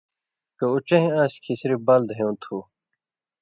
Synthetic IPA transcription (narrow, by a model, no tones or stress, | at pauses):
kɐut͡ɕẽɦẽãːɕkʰisɾibɐld̪ʱɦejũt̪ʰu